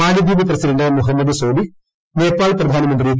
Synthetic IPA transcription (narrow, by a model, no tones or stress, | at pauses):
aːɽid̪iːbɐpɾɐsiɖɐɳɖɐmuɦɐmːɐd̪ɨsoːbi | meːpːaːɭprɐd̪ʱaːnɐmɐnd̪ɾi